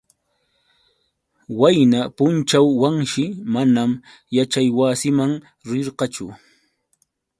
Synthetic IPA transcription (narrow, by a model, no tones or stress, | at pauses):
wajnapʊnt͡ʃawːaŋʃɪmanam | jat͡ʃajwaːsɪmaŋ | ɾɪɾqɑt͡ʃʊ